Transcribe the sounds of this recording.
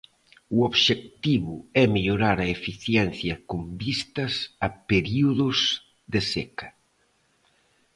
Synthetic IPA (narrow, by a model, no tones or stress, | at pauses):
uoβʃek̚t̪iβʊɛmeʎoɾaɾɐefiθjɛnθjɐkumbist̪ɐsɐpeɾiuðʊs | ðesekɐ̥